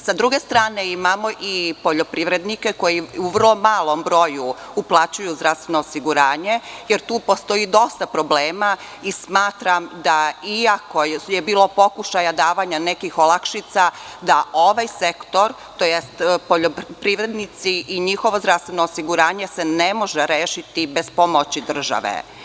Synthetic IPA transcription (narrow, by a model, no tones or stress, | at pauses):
sad̪ɾuɡe̞st̪ɾaːneimamoʔipo̞ʎo̞pɾiʋɾe̞d̪nikeko̞jiuʋər̩lˠo̞maːlˠo̞mbɾo̞ju | uplˠat͡ɕujuzd̪ɾafst̪ʋenoːsiɡuɾaːɲejeɾt̪uːpo̞st̪o̞id̪o̞st̪apɾo̞bleːma | ismaːt̪ɾamd̪aiako̞jebiːlˠo̞po̞kuʃajad̪aːʋaːɲanekixo̞lakʃit̪sad̪aʔo̞ʋajse̞kt̪o̞ɾ | t̪ojest̪po̞ʎopɾiʋɾed̪nit̪siʔiɲixo̞ʋozd̪ɾafst̪ʋenoːsiɡuɾaːɲe̞senemo̞ʒeɾeːʃit̪ibe̞zpo̞mot͡ɕid̪r̩ʒa̰ʋḛ